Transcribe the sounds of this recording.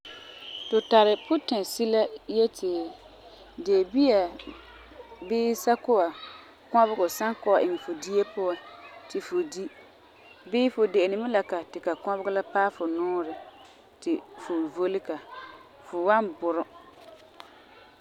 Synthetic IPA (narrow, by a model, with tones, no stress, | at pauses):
tʊ˨ta˨ɾɪ˨pʊ˦tɛ˨si˦la˦jɛ˦tʰɪ˨ | deː˨bi˦a˨ | bɪː˦sa˦kʊ˦a˨ | kɔ˦bʊ˦ɡʊ˨sa˦ŋkʊ˦a˨ʔɪ˨ŋɛ˨fʊ˨di˦e˦pʊ˦a˦tɪ˨fʊ˨di˦ | bɪː˦fʊ˨de˨nɪ˨mɪ˦la˨ka˨tɪ˨ka˨kɔ˦bʊ˦ɡʊ˦la˦paː˦fʊ˨nʊː˦ɾɪ˨ | tɪ˨fʊ˨vo˦lɪ˦ka˨ | fʊ˨wa˦nbʊ˨ɾʊ˦